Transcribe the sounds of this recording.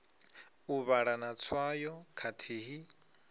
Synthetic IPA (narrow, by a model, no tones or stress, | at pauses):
uβaɺanat͡sʰwajɔkʰatʰiːɦi